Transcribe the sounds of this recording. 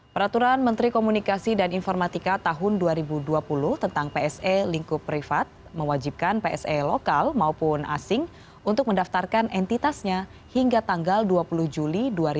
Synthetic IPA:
pəɾat̪uɾanmənt̪ɾikomunikasidaninfɔrmat̪ikat̪aɦʊnduaɾibuduapulʊht̪ənt̪aŋpeɛseliŋkupɾifat̪̚ | məwad͡ʒip̚kanpeɛsɛlokalmaupʊna̰sɪŋ | unt̪ʊk̚məndaft̪arkanɛnt̪it̪asɲa | hiŋɡat̪aŋɡalduapulʊhd͡ʒuliduaɾi

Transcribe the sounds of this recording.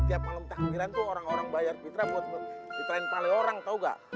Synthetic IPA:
t̪iap̚maləmt̪aʔaɦiɾant̪uoɾaŋoɾaŋbajarbit̪ɾabuat̪̚bit̪ɾaɪŋpalɪoɾaŋt̪auɡa̰ʔ

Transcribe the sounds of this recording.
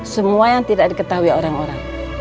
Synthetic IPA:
səmuajaŋt̪idak̚dikət̪aɦuioɾaŋoɾaŋ

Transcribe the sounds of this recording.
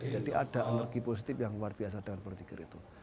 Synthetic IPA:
d͡ʒadiʔad̥a̤ʔənərɡiposit̪ɪpjaŋwarb̥ias̬adəŋanbərt̪iɡəɾḭt̪u

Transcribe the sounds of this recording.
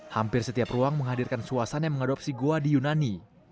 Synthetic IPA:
hampɪrsət̪iapruaŋməŋɦadirkansuasanjaŋməŋadap̚siɡoadijunani

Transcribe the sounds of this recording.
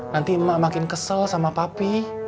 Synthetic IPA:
nant̪iəmːaʔmakɪnkəsəlsamapapi

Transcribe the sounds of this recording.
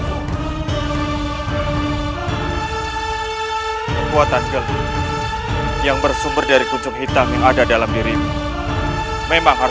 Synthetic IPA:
kuat̪asɡəl | jaŋbərsumbərdaɾikut͡ʃʊk̚ɦit̪aŋjaŋadadalamdiɾini | memaŋɦa

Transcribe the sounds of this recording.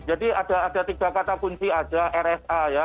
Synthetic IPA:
d͡ʒadiad̥aːdat̪id͡ʒ̥akat̪akuɲt͡ʃiad͡ʒaʔɛrɛsaja

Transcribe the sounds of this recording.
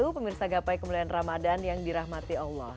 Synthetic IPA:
upəmirsaɡapajkəmulianramadanjaŋdiɾaɦmat̪ialːɔh

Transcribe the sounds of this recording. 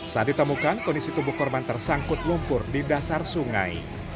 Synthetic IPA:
sadit̪əmukankɔndisik̪ubukɔrbant̪ərsaŋkʊt̪̚lumpʊrdidasarsuŋa̰j

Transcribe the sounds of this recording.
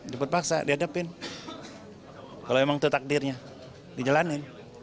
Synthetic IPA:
dipət̪̚paksa̰diadapɪn | kaloemaŋt̪ut̪ak̚dɪrɲa | did͡ʒalanɪn

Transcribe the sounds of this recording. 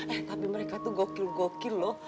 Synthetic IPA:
ɛt̪apiməɾɛkat̪uɡɔkilɡɔkilɔ

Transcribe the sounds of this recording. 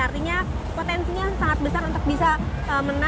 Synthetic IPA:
art̪iɲa | pot̪ɛnsiɲasaŋat̪̚bəsarunt̪ʊk̚bisa | əməna

